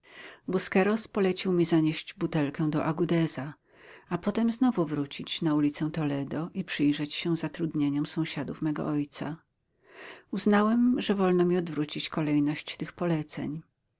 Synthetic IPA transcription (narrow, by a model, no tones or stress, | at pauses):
buskɛɾɔspɔlɛt͡ɕiwmʲizaɲeɕd͡ʑbut̪ɛlkɛ̃w̃d̪ɔʔaɡud̪ɛza | apɔt̪ɛmznɔvuvɾut͡ɕit͡ɕnaulʲit̪sɛw̃t̪ɔlɛd̪ɔʔipʂɘjʐɛt͡ɕɕɛ̃zat̪ɾud̪ɲeɲɔmsɔ̃w̃ɕad̪ufmɛɡɔ̰ʔɔjt̪sa | uznawɛmʐɛvɔlnɔmʲiɔd̪vɾut͡ɕit͡ɕkɔlɛjnɔɕt͡ɕt̪ɘxpɔlɛt̪sɛ̰ɲ